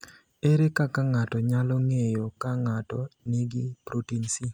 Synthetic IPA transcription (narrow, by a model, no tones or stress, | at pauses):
eɾekakaŋatɔɲalɔŋejɔkaŋatɔnɪɡipɾotinsi